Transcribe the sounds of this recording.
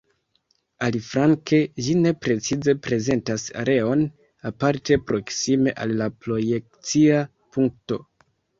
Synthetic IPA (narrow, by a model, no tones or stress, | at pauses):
alifɾaŋkeʒine̞pɾe̞t͡size̞pɾe̞ze̞ntasa̰ɾʔe̞o̞n | apaɾte̞pɾo̞ksime̞ʔalːapɾo̞jek̚t͡sia | puŋkto̞̰